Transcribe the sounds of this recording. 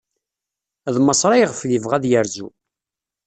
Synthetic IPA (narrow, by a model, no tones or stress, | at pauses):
ðməsˤɾˤɑjʁəfðəvʁæðjəɾzu